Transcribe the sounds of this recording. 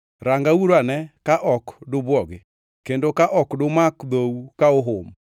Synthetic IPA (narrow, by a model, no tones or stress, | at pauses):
ɾaŋɡauɾwanɛkaʔɔkdobwɔɣe | kendokaʔɔkdomakðoukaoɦom